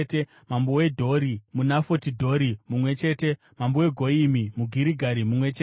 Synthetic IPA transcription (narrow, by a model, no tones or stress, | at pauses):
te | mambowe̞dʱo̞ɾimunafotidʱo̞ɾimumwe̞t͡ʃe̞ːte̞ | mambowe̞ɡʱo̞imimuɡʱiɾiɡʱaɾimumwe̞t͡ʃe